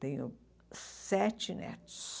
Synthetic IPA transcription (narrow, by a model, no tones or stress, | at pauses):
t̪ẽɲʊ̰ | sɛt͡ʃɪnɛ̰t̪ʊ̥s